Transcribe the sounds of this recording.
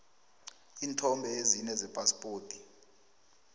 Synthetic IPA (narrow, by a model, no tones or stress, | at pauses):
iːntʰɔmbʱɛezinɛzɛpʼaspʼoːtʼi̥